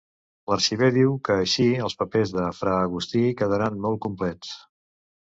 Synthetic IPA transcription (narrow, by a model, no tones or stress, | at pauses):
ləɾʃiβ̞eðiwkəːʃiəlˠspəpezðəfɾaːɣ̞ust̪ikəðəɾanmɔl̚ˠkumplɛt͡s